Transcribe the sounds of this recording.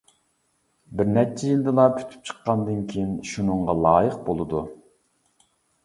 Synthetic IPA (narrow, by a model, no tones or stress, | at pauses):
bɪɾnɛt͡ʃʰɛjild̪ɨlˠɑpʲʰy̥t̪ʰy̥p̚t͡ʃʰə̥qːɑnd̪ɨnkʲʰejinʃunɨɴʁɑlˠɑːjəqbolˠɨd̪u